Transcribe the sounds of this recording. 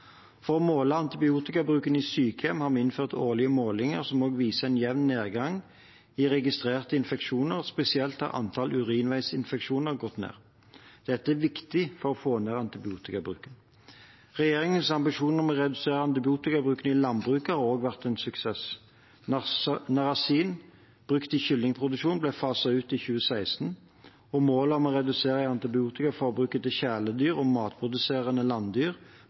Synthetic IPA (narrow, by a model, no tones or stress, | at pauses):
fɔʁɔmoːləɑnt̪ɪbɪuːt̪ɪkɑbʁʉːkəniːsyːkəɛmhɑːʁmɛɪnføːʁt̪oːʁlɪəmoːlɪŋəʁsɔmoːɡʋiːsəɛnjɛʋnneːʁɡɑŋ | iʁɛɡɪst̪ʁeːʁt̪əɪnfɛkʃuːnəʁspɛsɪɛlt̪hɑ̰ʁʔɑ̰nt̪ʰɑlʔʉʁiːnʋæɪsɪnfɛkʃuːnəʁɡɔt̪nḛːʁ | d̪̥ɛt̪ːəæʋɪkt̪ɪfɔʁɔfoːneːʁɑnt̪ɪbɪuːt̪ɪkɑbʁʉ̰ːkən | ʁɛjeːʁɪŋənsɑmbɪʂuːnəmɔʁɛd̪ʉseːɾəɑnt̪ɪbɪuːt̪ɪkɑbʁʉːkənəɪlɑnbʁʉːkhɑɾoːɡʋæʁt̪ɛnsʉksɛs | nɑʁɑsiːn | b̥ʁʉkt̪ɪçʏlnɪŋpʰʁʊd̪ʉʃuːnblɛfɑːsɑʉːt̪ɪçʉːəsæɪst̪n | ɔmoːləɔmɔʁɛd̪ʉseːɾæɑnt̪ɪbɪuːt̪ɪkɑfɔʁbʁʉːkət̪ɪçæləd̪yːʁɔmɑːt̪̚pʰʁʊd̪ʉseːʁənəlɑnd̪yːʁ